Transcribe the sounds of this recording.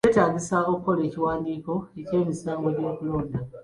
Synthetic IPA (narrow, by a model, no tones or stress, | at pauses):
eːtaːɲɟisaokːo̞leːciwaːndiːko̞ece̞ːmisaːŋɡoɟo̞ːkuloːnda